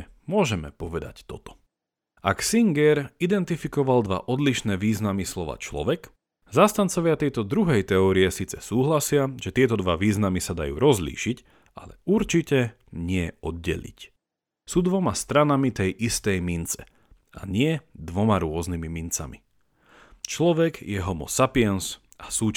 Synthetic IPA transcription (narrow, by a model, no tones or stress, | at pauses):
mʊɔʒɛmɛpɔʋɛd̪a̰ct̪ɔt̪ɔ̥ | aksiŋɡɛɾid̪ɛnt̪ifikɔʋald̪ʋa̰ʔɔd̪liʃnɛːʋiːznamislɔʋa̰ːt͡ʃlɔ̰ʋɛk | zaːst̪ant͡sɔʋɪat̪ɛjt̪ɔd̪ɾuɦɛjt̪ɛɔːɾiɛsiːt͡sɛ̥suːɦlasɪaʒ̥ɛt̪ɪɛt̪ɔd̪ʋaʋiːznamisad̪ajṵːɾɔzlḭːʃic | a̰lɛuɾt͡ʃicɛ | ɲɪɛɔd̪̚ɟɛ̰ʎḭc | suːd̪ʋɔmast̪ɾanamit̪ɛjʔist̪ɛjmint͡sɛ | ʔaɲɪɛd̪ʋɔmaɾʊɔznimimint͡sa̰mi | t͡ʃlɔʋɛɡjɛɦɔmɔ̰sapiɛns | ʔḁsuːt͡ʃ